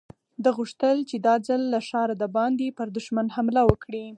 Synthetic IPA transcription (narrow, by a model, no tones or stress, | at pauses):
d̪əɣuʂt̪əlt͡ʃed̪ɑd͡zəlːaʃɑɾad̪əbɑnd̪epəɾd̪ʊʃmanhamlawəkɽi